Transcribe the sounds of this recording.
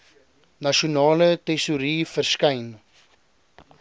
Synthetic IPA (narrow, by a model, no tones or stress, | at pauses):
nɐʃionɑːlətɛsuɾiːfərskɐjn